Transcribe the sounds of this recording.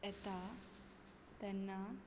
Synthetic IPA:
ɛt̪a | t̪ɛnːa

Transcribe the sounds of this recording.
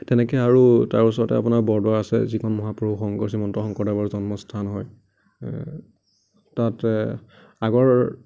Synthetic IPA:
tɛnɛkɛjaɹutaɹusɔɹtɛ̰apunaɹbɔɹdwaɹasɛ̰zikʰɔnmɔɦapɹuuxɔŋkɔɹsimɔntɔxɔŋkɔɹdabɔɹzɔnmɔstʰanɦɔj | tatɛ | aɡɔɹ

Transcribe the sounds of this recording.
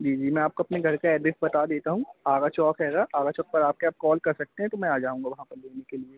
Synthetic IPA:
d͡ʒiːd͡ʒiːmɛ̃ːaːp̚koɐpneɡʱɐɾkaɛːɖɪsbɐt̪ad̪eːt̪aɦũaːɡat͡ʃɔːkɦɛːɡaʔaːɡat͡ʃɔːk̚pɐɾaːp̚keaːp̚kɔːlkɐɾsɐk̚t̪eɦɛ̃t̪omɛ̃aːd͡ʒaːũːŋɡaʋɐɦãpɐɾleːnekelieː

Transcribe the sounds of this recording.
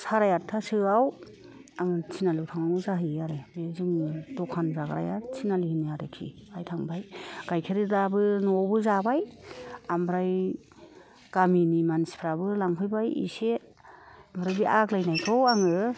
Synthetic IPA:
saɾajatʰːasɯaw | aŋɯt͡ʃʰinalɯwtʰaŋanɯzaɦɯaɾɯbezɯŋdɔkʰanzaɡɾa̰jat͡ʃʰinalihiniaɾɯkʰḭajtʰaŋbajɡ̥ajkʰeɾɯdabɯnɔbɯzabajambɾaj | ɡ̥aminimanspʰɾabɯlaŋpʰɯjbajḭse | amɾajbiʔaklajnajtʰɔwaŋɯ

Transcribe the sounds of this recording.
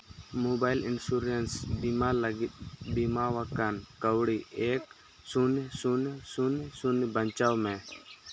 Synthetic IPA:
mobaɪlɪnsuɾensbimaləɡɪt̪̚ˀbimawakankəwɽiʔeːk | sunsunsunsunbəɲt͡ʃawmɛ̃

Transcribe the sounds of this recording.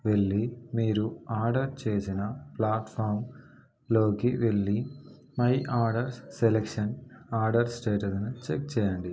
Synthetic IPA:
ʋe̞ɭːimiːɾuaːɾɖɐɾt͡ʃe̞ːsinɐplaːʈpʰaːɾm | lo̞ːkiʋeɭːi | mɐjʔaːɾɖɐɾselekʂɐnaːɾɖɐɾsʈeːʈɐsnut͡ʃek̚t͡ʃɛːjɐɳɖi

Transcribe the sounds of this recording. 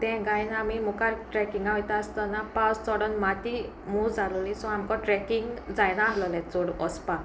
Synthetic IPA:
t̪ɛ̃ɡajnamimukaɾʈɾɛkiŋɡaɦɔjt̪aəst̪ɔnapawst͡sɔɽɔnmat̪i | mud͡zalɔlisɔ̃amkɔʈɾɛkiŋɡd͡zajɽ̃ãɦlɔlɛ̃t͡sɔɽɔspa

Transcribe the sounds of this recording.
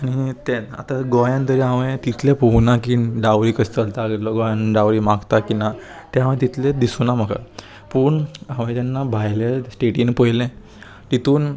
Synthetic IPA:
aɽ̃it̪ɛa̰t̪aɡɔjãnt̪əɾiaʋẽt̪it̪ʰlɛ̃poɡnakiɖaʋɾiːkəst̪əlt̪aɡelɔɡɔjãnɖawɾiːmaɡt̪akina | t̪ɛãʋẽt̪̬it̪ʰled̪isunaməɡa̰ | pəɳãʋẽt̪janːabʱajlasʈeʈinpəjlɛ̃ | t̪it̪ʰuːn

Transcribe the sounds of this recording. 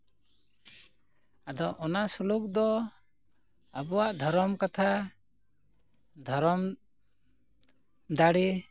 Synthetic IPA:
ad̪ɔʔɔnasuluk̚d̪ɔ | abɔwaʔd̪ʱɔɾɔmkat̪ʰa | d̪ʱɔɾɔm | d̪aɽi

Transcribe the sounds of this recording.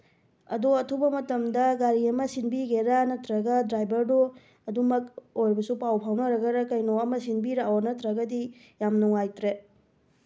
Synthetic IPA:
ɐ̰doɐtʰubɐmɐtɐmdɐɡaɾiɐmɐsinbiɡeɾanɐtɾɐɡɐdɾajbɐɾdo | ɐdumɐkojɾbɐsupawpʰawnɐɾɐɡɐɾɐkɐjnoɐmɐsinbiɾawɐnɐtɾɐɡɐdi | jamnuŋajtɾe

